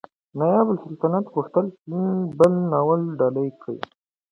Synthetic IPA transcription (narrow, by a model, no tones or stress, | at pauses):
najɑbəlsɪlt̪anat̪puxt̪əlinbəlnɑwəlɖɑlajkʰəj̰